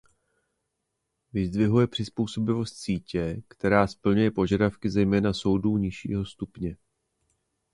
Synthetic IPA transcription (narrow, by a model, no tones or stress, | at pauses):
vɪzd̪vɪɦujɛpr̝̥ɪspuːso̞bɪvo̞st̪siːcɛkt̪ɛɾaːspl̩ɲujɛpo̞ʒadafkɪzɛjmɛːnaso̞wduːɲɪʃḭːɦo̞st̪upɲɛ